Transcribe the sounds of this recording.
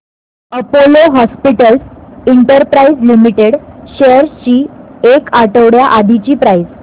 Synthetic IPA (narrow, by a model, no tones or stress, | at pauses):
əpoloɦɔspiʈəlsiɳʈəɾpɾaid͡zlimiʈeɽɕeəɾt͡ɕiːekaʈəʋɽjaʔad̪ʱit͡ɕiːpɾaid͡z